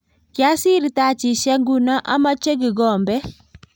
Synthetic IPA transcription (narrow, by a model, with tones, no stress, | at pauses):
kɪ˨a˦sɪ˦ɾta˦˨t͡ʃɪ˨ʃɛ˦ŋɡu˦na˦ʔa˦ma˦t͡ʃe˦ɡɪ˨ɡɔ˨mbɛ˦